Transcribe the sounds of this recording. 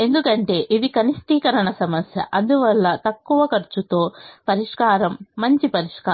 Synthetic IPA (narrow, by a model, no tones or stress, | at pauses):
e̞nd̪ukɐɳʈe̞ːʔiʋikɐnisʈiːkɐɾɐɳɐsɐmɐsjɐ̰ʔɐnd̪uʋɐɭːɐt̪ɐkːuʋɐkɐɾt͡ʃːut̪o̞ːpɐɾiʂkaːɾɐmːɐɲt͡ʃipɐɾiʂkaː